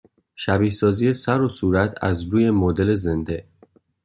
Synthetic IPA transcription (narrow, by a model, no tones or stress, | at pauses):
ʃæbiːhsɒːziːjesæɾo̞suːɾæt̪ʰæ̰zɾuːje̞mod̪e̞le̞zend̪e